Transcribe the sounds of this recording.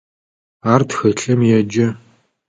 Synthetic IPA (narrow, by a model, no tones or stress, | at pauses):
aːrtxɐɬɐmjɛd͡ʒɐ